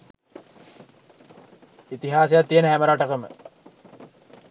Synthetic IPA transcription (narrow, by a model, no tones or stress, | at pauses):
it̪iɦaːsejat̪ːijənəɦæməɾaʈəkəmə̰